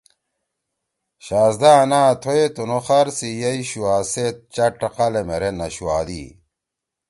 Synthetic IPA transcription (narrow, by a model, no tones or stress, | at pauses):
ɕaːzd̪anaːt̪ʰoet̪unoxɐɾsijɐiɕuwaːset̪̚t͡ɕɐʈːɐqalemeɾenɐɕuaːd̪ḭ